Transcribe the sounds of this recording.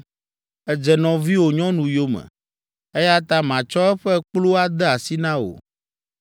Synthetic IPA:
ɛ˨d͡ʒɛ˨nɔ̃˨vi˦wo˨ɲɔ̃˦nũ˨jo˦mɛ̰̃˨ | e˦ja˦t̪a˦mã˨t͡ʃɔ˦ɛ˦ɸɛ˦k͡plo˦a˦d̪ɛ˦a˨si˦nã˦o̰˨

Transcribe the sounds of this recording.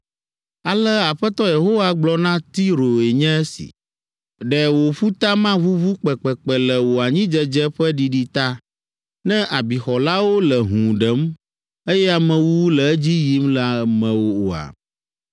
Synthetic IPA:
a˨lɛ˦a˨ɸɛ˦t̪ɔ˦je˨ɦo˦wa˦ɡ͡blɔ˦nã˦t̪i˦ɾo˨e˨ɲɛ̃˦ɛ˦sḭ˨ | ɖɛ˨wo˨ɸu˦t̪a˦mã˦βu˦βu˦k͡pɛ˨k͡pɛ˨k͡pɛ˨lɛ˨wo˨a˨ɲĩ˦d͡ʒɛ˦d͡ʒɛ˦ɸɛ˦ɖi˨ɖi˦t̪a˦ | nɛ̃˦ʔa˨bi˨xɔ˨la˦wo˦lɛ˨ɦũ˨ɖɛ˨˦m | e˦jɛ˦a˨mɛ̃˨wu˦wu˦lɛ˨ɛ˦d͡ʑi˦ji˦mla˨mɛ̃˦wo˦o˨a̰˨

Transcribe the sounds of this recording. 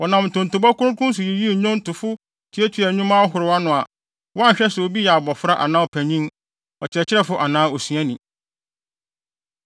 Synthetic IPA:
wɔ˨nã˨mn̩˨tʰʊ̃˨n˨tʊ˨bɔ˦kʊ̃˦ɾʊ̃˦kʊ̃˦n˦s̬ʊ˨ji˨ji˦˨ɲʊ̃˦n˦tʊ˨fʊ˦ | tʰi˨˦ɛ˦tʰɥɛ˨ɲũ˦mã˦ɦʊ˨ɾɪ˨wa˦nʊ̃˨a˨ | wɔ˦a˦ɲ̩˨ɕᶣɛ˦sʊ˨wo˦bi˦jɛ˨a˨bɔ˨fʊ˦ɾa˦ʔa̰˨nãː˦ɔ˨pʰæ˨ɲĩ˦m | ɔ˨t͡ɕʰɪ˦ɛ˨t͡ɕʰɪ˦ɾɛ˦fʊ˦ʔa˨nãː˦o˨sɥæ̃˦nĩ˨

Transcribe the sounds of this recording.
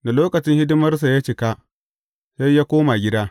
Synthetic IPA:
da˨loː˦kɐ˨t͡ʃɪ˦ŋhɪ˦dɪ˦mɐ˦rs̬a˨ja˦t͡ʃɪ˨ka˦ | sa˦jjaː˦kʷoː˦ma˨ɡʲɪ˦daː˦

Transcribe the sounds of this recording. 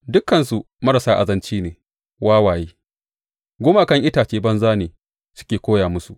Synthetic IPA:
dʊ˦kːɐ˨nsu˨ | mɐ˦ɾɐ˨saː˦ʔa̰˨zɐ˦nt͡ʃiː˦neː˨ | waː˦waː˨jeː˦ | ɡʷʊ˦maː˨kɐ˦ŋʔɪ˦taː˨t͡ʃeː˦bɐ˦nzaː˦neː˨ | sʊ̥˦kʲeː˨kʷoː˦jaː˨mʊ˦su˨ʔ

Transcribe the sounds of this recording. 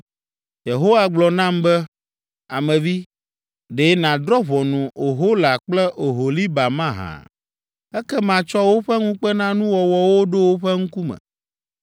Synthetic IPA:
je˨ɦo˦wa˦ɡ͡blɔ˨nã˦mbɛ˦ | a˨mɛ̃˨vi˦ | ɖe˨˦nã˨d̪ɾɔ˦βɔ˨nũ˨o˨ɦo˦la˨k͡plɛ˦ʔo˨ɦo˨li˦ba˨mã˦ɦã̰˨ | ɛ˦kɛ˦mã˨t͡ʃɔ˦wo˦ɸɛ˦ŋũ˦k͡pɛ˦nã˦nũ˦wɔ˨wɔ˨wo˦ɖo˦wo˦ɸɛ˦ŋũ˦ku˦mɛ̰̃˨

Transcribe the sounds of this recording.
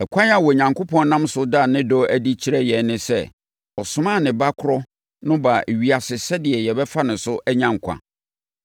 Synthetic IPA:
ɛ˨kʷʰã˦n˦a˨wɔ˨ɲã˨ŋko˦pʰɔ̃˦n˦nã˦msʊ˦da˦˨nɪ̃˦dɔ˦æ˦di˦t͡ɕʰi˦ɾɛ˦jɛ˨nɪ̃˦sɛ̰˦ | ɔ˨sʊ˦mã˦˨nɪ̃˨ba˦kʰʊ˦ɾɔ˦ | nʊ̃˦ba˨e˨ɥi˨a˨sɪ˨sɛ˦dɪ˨ɛ˨jɛ˨bɛ˦fa˦nʊ̃˨sʊ˦ʔæ˦ɲã˦˨ŋ̩˨kʷʰã̰˨

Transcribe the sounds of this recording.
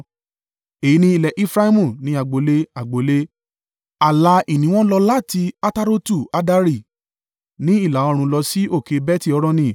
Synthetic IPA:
e˨i˨˦nĩ˧i˨lɛ˨ʔi˦fɾa˦i˦mũ˨nĩ˧a˨ɡ͡bo˨˦le˧a˨ɡ͡bo˨le˦ | a˨la˧i˦˨nĩ˨˦w̃ɔ̃˦lɔ˧la˦˨ti˧a˦ta˦˧ɾo˦tu˦˨a˨˧da˧ɾi˦˨ | nĩ˦i˦˨la˨˦ɔ˧ɾ̃ũ˧lɔ˧si˦ʔo˦˨ke˨˧bɛ˦ti˦˨ɔ˧ɾɔ̃˧nĩ˧˨

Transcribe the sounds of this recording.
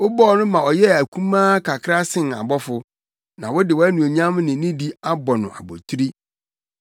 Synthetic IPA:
wɔ˦bɔ˦˨nʊ̃˦mã˨ɔ˨jɛ˦æ˨kʰũ˦mãː˦kʰa˨kʰɾa˦sɪ̃˨n˨a̰˨bɔ˦fʊ˦ | nã˨wɔ˦dɪ˨wɔ˦æ˦nũ˨o˨ɲã˦mnɪ̃˨˦nĩ˦di˦a˦bɔ˨nʊ̃˨ʔa̰˨bɔ̰˨tʰu˦ɾi˦

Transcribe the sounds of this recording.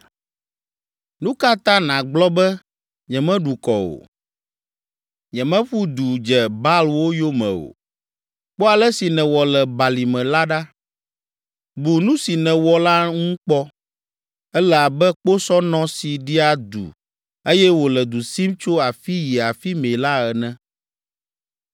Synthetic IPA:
nũ˦ka˦t̪ã˦nã˨ɡ͡blɔ˦bɛ˦ | ɲɛ̃˨mɛ̃˦ɖu˨kɔ̰˨o̰˨ | ɲɛ̃˨mɛ̃˦ɸu˦d̪u˨d͡ʒɛ˨ba˦lwo˦jo˦mɛ̰̃˨o̰˨ | k͡po˦a˨lɛ˦si˨nɛ̃˨wɔ˨lɛ˨ba˨li˨mɛ̃˨la˦ɖa˦ | bu˨nũ˦si˨nɛ̃˨wɔ˨la˦ŋũ˦k͡pɔ˦ | ɛ˦lɛ˦˨a˨bɛ˦k͡po˦sɔ˦nɔ̃˦si˨ɖi˦a˨d̪ṵ˨ | e˦jɛ˦wo˨lɛ˨d̪u˨si˦mt͡ʃo˦a˨fi˦ji˨a˨fi˦mẽ˨la˦ɛ˨nɛ̃˦

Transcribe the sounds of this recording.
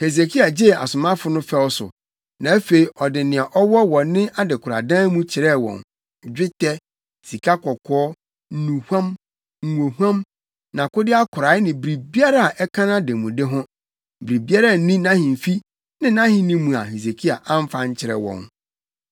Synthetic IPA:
he˨s̬e˨kʰi˦a˨d͡ʑe˦˨a̰˨sʊ˨mã˦fʊ˦nʊ̃˦fɛ˦ɔ˦sʊ̰˨ | nã˨æ˦fe˨i˨ʔɔ˨dɪ˨nɪ̃˨a˨ʔɔ˦wɔ˦wɔ̃˨n˦nːɪ̃˦ʔa˦dɪ˨kʰʊ˨ɾa̰˨dãː˦mũ˦t͡ɕʰɪ˨ɾɛ˦˨wɔ̰̃˨n˨ | d͡ʑᶣɪ˦tʰɛ˦ | si˨kʰa˦kʰɔ˨kʰɔ˦ɔ˦˨ | nũ˨hʷu˦ã˦m | ŋ̩˨ŋo˨hã˦m | nã˨kʊ˦dɪ˦a˦kʰʊ˨ɾaː˨ɪ˦nɪ̃˨bi˨ɾi˨bi˦a˦ɾa˦a˨ʔɛ˦kʰã˦nã˦de˨mũ˨de˦ɦʊ̃˦ | bi˨ɾi˨bi˦a˦ɾa˨˦nĩ˦nã˦hɪ̃˨m̩˨fi˦ | nɪ̃˦nã˦hɪ̃˦nĩ˦mũ˨a̰˨he˨s̬e˨kʰi˦a̰˨ʔã˦m˦fã˦ɲ˦t͡ɕʰɪ˨ɾɛ̰˨wɔ̰̃˨n

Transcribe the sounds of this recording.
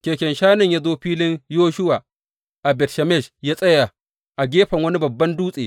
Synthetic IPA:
kʲeː˨kʲɛ˨nʃaː˦nɪ˨ɲjaː˦zoː˦ɸiː˦lɪ˦ɲjoː˦ʃʊ˦wa˨ | ʔa˨bɛ˨tʃɛ˨mɛ˦˨ʃjaː˦sʼɐ˦ja˨ | ʔa˨ɡʲeː˦ɸɐ˨ŋwɐ˦ni˦bɐ˨bːɐ˦nduː˦sʼeː˨

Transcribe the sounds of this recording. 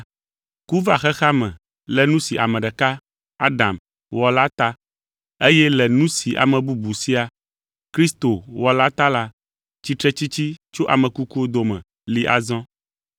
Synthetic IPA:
ku˦va˨xɛ˦xa˦mɛ̰̃˨ | lɛ˨nũ˦si˨ʔa̰˨mɛ̃˨ɖɛ˨ka˦ | a˦ɖa̰˨m | wɔ˨la˦t̪a˦ | e˦jɛ˦lɛ˨nũ˦si˨ʔa̰˨mɛ̃˨bu˦bu˨si˦a˨ | kɾi˦st̪o˨wɔ˨la˦t̪a˦la˦ | t͡ɕi˦t̪ɾɛ˦t͡ɕi˦t͡ɕi˦t͡ʃo˦ʔa˨mɛ̃˨ku˦ku˦o˦d̪o˨mɛ̰̃˨ | li˦ʔa̰˨zɔ̃˦

